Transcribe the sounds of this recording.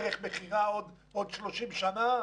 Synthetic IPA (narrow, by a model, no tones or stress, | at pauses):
ʁeχmeχiʁaod̪ | od̪ʃloʃimʃana